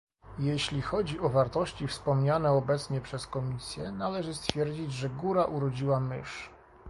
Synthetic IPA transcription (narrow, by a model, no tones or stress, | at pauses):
jeɕlʲixɔd͡ʑiɔvaɾt̪ɔɕt͡ɕifspɔmɲanɛɔbɛt̪sɲɛpʂɛskɔmʲisʲjɛnalɛʐɘst̪fʲjɛɾd͡ʑid͡ʑʐɛɡuɾaʔuɾɔd͡ʑiwamɘ̰ʂ